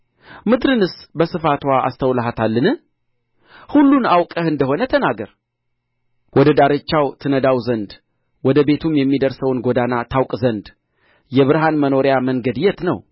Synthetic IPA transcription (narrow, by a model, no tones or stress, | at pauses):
mɨd̪ɾɨnɨsbəsɨfat̪waʔa̰st̪ʰəwləɦat̪ʰalːɨnɨ | hulːunawkʼəhɨnd̪əho̞nət̪ʰənaɡəɾ | wɔd̪əd̪aɾɨt͡ʃːawt̪ʰɨnəd̪awzənd̪ | wɔd̪əbe̞t̪ʰumjɛmːid̪əɾsəwnɡo̞d̪anat̪ʰawkʼzənd̪ | jɛβɨɾɦanməno̞ɾjaməŋɡəd̪jɛt̪nəw